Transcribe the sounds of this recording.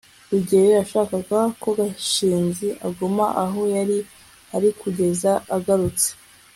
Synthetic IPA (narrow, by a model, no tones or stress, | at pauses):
uɟejojaʃaːkaɡako̞ɡaʃiːnziʔaɡomaʔaɦo̞jaɾi | aɾikuɟe̞zaaɡaɾut͡se̥